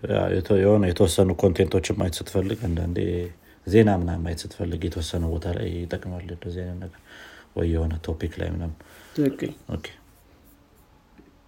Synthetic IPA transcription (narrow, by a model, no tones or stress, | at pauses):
ja̰jɛjɛhonəjɛt̪ʰəwɔsːənukʰo̞nt̪ʰe̞nt̪ʰo̞t͡ʃːɪmːa̰jt̪sɨt̪ːfəlːɨɡand̪a̰nd̪ḛ | ze̞namɨnamːajt̪sɨt̪ːfəlːɨɡjɛt̪ʰəwɔsːənəbo̞t̪ʰala̰jjɪt̪ʼːəkʼmalːəb̪əzenanəɡəɾwɔ̰ːɛho̞nət̪ʰo̞pikla̰jmnamʰɨkʼːɨlʔo̰kʰːe̥